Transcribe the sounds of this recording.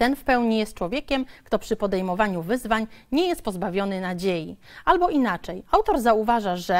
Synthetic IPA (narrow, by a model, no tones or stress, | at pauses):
t̪ɛnfpɛwɲijɛst̪̚t͡ʂwɔvʲjekʲɛmkt̪ɔpʂɘpɔd̪ɛjmɔvaɲuvɘzvaɲɲɛjɛst̪̚pɔzbavʲjɔnɘnad͡ʑejialbɔʔinat͡ʂɛjawt̪ɔɾzauvaʐaʐɛ